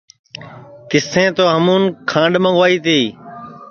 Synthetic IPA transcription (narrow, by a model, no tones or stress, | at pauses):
kɪsẽːt̪oːɦəmũːnkʰãːɳɖmə̃ŋɡʋaːiːt̪iː